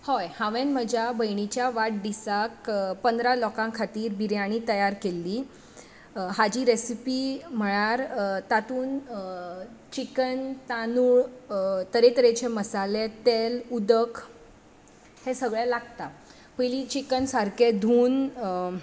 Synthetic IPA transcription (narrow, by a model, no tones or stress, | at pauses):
hɔjhãʋenməd͡ʑʱjabəjɳ̃it͡ɕjaʋaʈ̚ɖ̪isakpənd̪ɾalɔkãkʰat̪iːɾbiɾjaɽ̃it̪əjaɾkelːiː | ɦad͡ʑiːɾesipim̤əɭ̃aɾt̪at̪uːn | t͡ɕikənt̪anuɭt̪əɾet̪əɾet͡ɕeməsalet̪elud̪ək | hesəɡɭɛlaɡt̪a | pəjlit͡ɕikənsaɾked̪ʱuːn